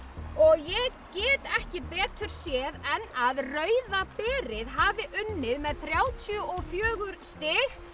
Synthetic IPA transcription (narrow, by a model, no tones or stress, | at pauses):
ɔɣjɛɣcɛːt̪ɛhcɪpɛːt̪ʏɾ̥sjɛːðɛnːaðrœːɥðapɛːɾɪðɦaːvɪʔʏnːɪðmɛðθɾjaːwt̪ʰjœʔɔɣfjœːɣʏɾst̪ɪx